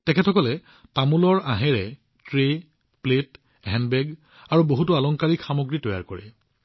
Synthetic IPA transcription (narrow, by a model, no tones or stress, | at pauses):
tɛkʰɛtʰɔkɔlɛ | pamulɔɹaɦɛɹɛ | tɹe | plet | ɦɛnbɛɡ | aɹuboɦutʊalɔŋkaɹikxamoɡɹitɔja̰ɹkoɹɛ̰